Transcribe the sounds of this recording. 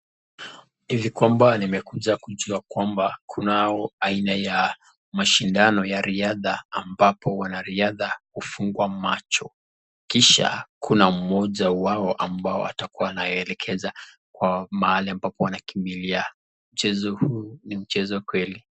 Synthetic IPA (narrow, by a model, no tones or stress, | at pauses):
hivikwambanimɛkuʄakuʄuakwambakʰunaɔainaja | maʃindanɔjaɾiaðaːmbapʰɔwanaɾiaðahufuŋɡwamat͡ʃɔ | kiʃa̰kʰunam̩mɔʄawaɔʔambaɔ̰a̰takuwaːnajɔɛlɛkʰɛza | kwamaaliambapɔwanakimbilia | m̩t͡ʃɛzɔhuːnim̩t͡ʃɛzɔkwɛli